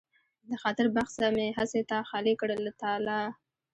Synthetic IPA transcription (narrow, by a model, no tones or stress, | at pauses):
d̪əxɑt̪ɪɾbaxsaɾameɦaset̪axɑlekɽəlat̪ɑlɑ